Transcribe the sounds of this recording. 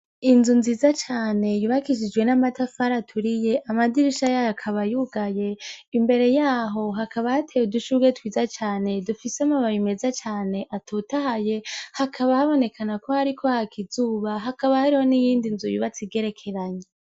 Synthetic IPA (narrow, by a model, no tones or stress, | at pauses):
inzunziːzat͡ʃaːne̞juβakiʃid͡ʒɡwe̞namatafaɾatʰuɾije̞ʔamadiɾiʃajajakʰaβajuɡaje̞imbe̞ɾe̞jaːɦo̞ɦakʰaβahatʰejuduʃuɡe̞twiːzat͡ʃaːne̞dufiseamaβaβimezat͡ʃaːne̞ʔatʰutahaje̞hakʰaβahaβo̞ne̞kʰanako̞haɾikʰo̞hakizuːβaɦakaβahaɾiho̞nijiːndinzujuβat͡siɡe̞ɾe̞kʰe̞ɾaɲe